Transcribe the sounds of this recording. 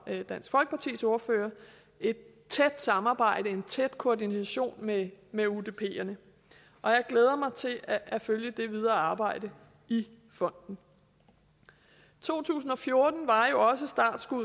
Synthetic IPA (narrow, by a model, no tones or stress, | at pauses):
d̥æn̰sɡ̥fɒ̽lɡ̥əpʰɑ̈t͡sʰḭːso̝ɐføːɐ | e̝d̥̚ | t͡sʰed̥sɑ̈mɑ̈ːb̥ɑ̈ɪ̰ɾ̥əe̝nt͡sʰed̥kʰoɐdinsæɕo̝̰ːnmemeud̥e̝pʰe̝̰ːɐnə | ʔɒ̽jɑ̈ɪɡ̥leːð̞ˠɐmɑ̈ɪt͡sʰe̝lʔæføljəd̥e̝ʋið̞ˠɐːɑ̈ːb̥ɑ̈ɪ̰d̥ə | i | fɒ̽n̰d̥n̩ | t͡sʰo̝̰ːt͡sʰṵːs̬n̩ɒ̽fjo̝ɐd̥n̩ʋɑ̈jo̝ɒ̽səsd̥ɑ̰̈d̥sɡ̥uð̰ˠ